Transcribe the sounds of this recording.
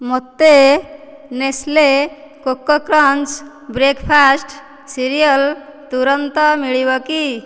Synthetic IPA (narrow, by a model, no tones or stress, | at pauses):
mot̪ːe | nesle | kokːɔkɾənt͡ʃ | bɾekpʰasʈ | siɾijəlt̪uɾənt̪ɔmiɭiβɔki